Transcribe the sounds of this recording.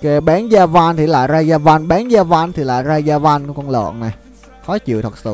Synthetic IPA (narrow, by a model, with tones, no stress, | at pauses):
kɛ˨˦ɓaː˨˦nzaː˧va˧nt̪ʰi˨˩la̰ː˧˨˩jzaː˧zaː˧va˧nɓaː˨˦nzaː˧va˧nt̪ʰi˨˩la̰ː˧˨˩jzaː˧zaː˧va˧nku˨˧˦kɔ˧nlo̰˧˨nna˨˩ | xɔ˨˦t͡ɕḭ˧˨wt̪ʰə˨˩t̚sɨ̰˧˨